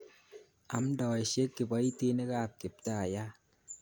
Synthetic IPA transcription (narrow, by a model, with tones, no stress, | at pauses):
a̰˨m̩˦dɔ˨e˨ʃe˦kːi˨ba˦i˦te˦ne˦ka˦˨p̚ki˨p̚ta˦a˨ja˦